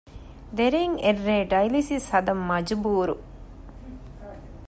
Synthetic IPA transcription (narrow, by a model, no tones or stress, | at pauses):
d̪eɾeŋerːeːɖɐjlisishɐd̪ɐmːɐd͡ʒubuːɾṵ